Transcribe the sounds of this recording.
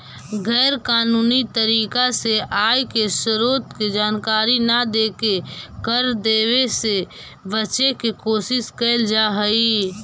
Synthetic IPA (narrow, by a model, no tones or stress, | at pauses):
ɡɛːɾkaːnuːnit̪əɾiːkaseʔaːjkesəɾoːt̪ked͡ʒaːnkaːɾinad̪eːkekəɾd̪eːʋese | bət͡ʃekekoːsɪskəld͡ʒaɦəi